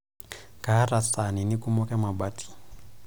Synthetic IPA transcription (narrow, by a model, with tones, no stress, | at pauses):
kaː˨˦ra˨t͡sa˨ni˨ni˦kʼumɔ˦kʼɛ˦ma˨baːtʼi̥˨